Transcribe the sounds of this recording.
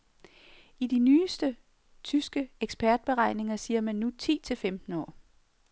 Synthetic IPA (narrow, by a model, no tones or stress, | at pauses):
id̥inyːsd̥ə | t͡sʰysɡ̥əeɡ̥sb̥ʰæɐd̥̚b̥e̝ʁɑ̈ɪne̝ŋɐsiːɐmænːut͡sʰḭːt͡sʰe̝lfemd̥n̩ɒ̰ː